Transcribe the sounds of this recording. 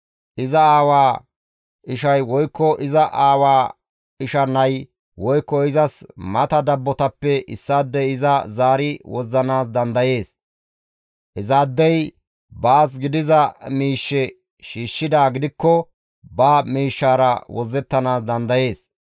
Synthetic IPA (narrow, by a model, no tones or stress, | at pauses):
ʔɪzɐaːwaː | ʔɪʃɐjwɔjkːɔʔɪzɐʔaːwaː | ɪʃɐnːɐj | wɔjkːɔɪzɐsmɐt̪ɐd̪ɐbːɔt̪ɐpːɛʔɪsːaːd̪ːɛjɪzɐzaːɾɪwɔzːɐnaːs̬d̪ɐnd̪ɐje̞ːs | ʔɪzaːd̪ːɛj | baːs̬ɡɪd̪ɪzɐmiːʃːɛ | ʃiːʃːɪd̪aːɡɪd̪ɪkːɔ | baːmiːʃːaːɾɐwɔzːɛt̪ːɐnaːsd̪ɐnd̪ɐje̞ːs